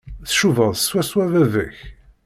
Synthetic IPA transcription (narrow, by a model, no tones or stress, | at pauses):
θʃuvəðˤswæswævævəç